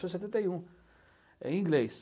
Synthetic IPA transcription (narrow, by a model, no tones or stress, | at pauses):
sõs̬et̪ẽnt̪eiũ | ɛ̰̃ĩŋɡlejs